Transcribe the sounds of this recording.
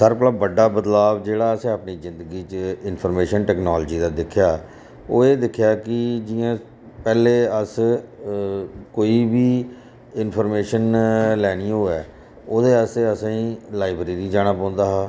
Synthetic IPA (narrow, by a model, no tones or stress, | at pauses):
səɾpləbːəɖːaːbət̪laːbd͡ʒeːɽaːəsẽːəpniːzɪ̃nd̪əɡiːt͡ʃəɪnpʰəɾmeːʃənʈɛːknaːlːd͡ʒiːd̪aːd̪ɪkʰːjaː | oːeːd̪ɪkʰːjaːkɪd͡ʒɪãː | pɛːleːəs | koːiːbiː | ɪnpʰəɾmeːʃənlɛːniːoːɛː | oːd̪eːəseəsãːĩːlaːɪbɾeːɾiːd͡ʒaːɽ̃aːpãːnd̪aːɦaː